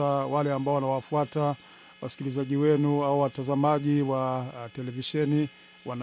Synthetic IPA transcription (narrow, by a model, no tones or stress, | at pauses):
awalɛambaɔwanawafuata | wasi̥kilizaʄiwɛnuauwatazamaʄiwatɛlɛviʃɛni | wan